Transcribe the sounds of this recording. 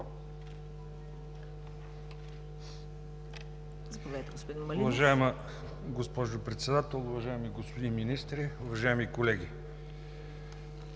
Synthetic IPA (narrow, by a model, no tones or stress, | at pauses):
zɐpovɛt̪ɛɡospd̪imʊvɐʒaɛmə | ɡospɔʒopɾɛt̪sɛd̪at̪ɛlˠʊvɐʒaɛmiɡospod̪inminist̪ɾiʊvɐʒajɛmikolɛɡʲi